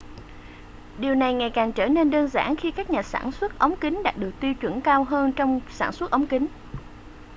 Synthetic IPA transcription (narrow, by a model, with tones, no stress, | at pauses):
ɗi˨˩əwna˨˩jŋa˨˩jkaː˨˩ŋt͡ɕəː˧˩ne˧nɗəː˧nza̰ː˧˩nxi˧kaː˦˥k̚ɲaː˨˩sa̰ː˧˩nswə˦˥t̚ʔə˨˦wŋ͡mkï˨˦ŋ̟ɗaː˨˩k̚ɗɨ˨˩ək̚t̪i˧wt͡ɕwə˧˩nkaː˧wɦəː˧nt͡ɕɔ˧wŋ͡msa̰ː˧˩nswt̚ʔə˨˦wŋ͡mkï˨˦ŋ̟